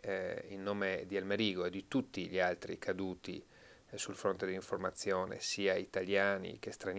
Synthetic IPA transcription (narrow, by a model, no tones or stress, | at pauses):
ilnoːmed̪ialmeɾiːɡoed̪it̪ut̪ːiʎialt̪ɾḭkʰad̪uːt̪ḭ | sulfɾont̪ed̪elːiɱformat̪sːjoːnḛsiːait̪aljaːnḭk̟est̪ɾan